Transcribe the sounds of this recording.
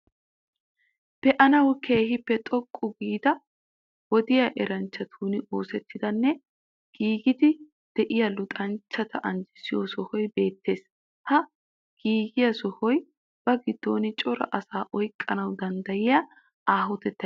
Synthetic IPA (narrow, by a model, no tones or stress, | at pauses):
pɛʔɐnɐwke̞ːhɪpːɛt̪ʼɔkʼːʊɡiːd̪ɐ | wɔd̪ɪjɐʔɛɾɐnt͡ʃːɐt̪ʰuːnɪo̞ːsɛt̪ːɪd̪ɐnːɛ | ɡ̥iːɡɪd̪ɪ | d̪̥ɛʔɪjɐlʊt̪ʼɐnt͡ʃːɐt̪ʰɐʔɐnd͡ʒɪsɪjosɔhɔjbe̞ːt̪ːe̞ːs | hɐ | ɡ̥iːɡɪjɐsɔhɔj | b̥ɐɡɪd̪̥ːo̞ːnɪt͡ʃʼɔɾɐ̰ʔɐsaːʔɔjkʼːɐnɐwd̪ɐnd̪ɐjɪja | aːɦʊt̪ɛt̪ːɐ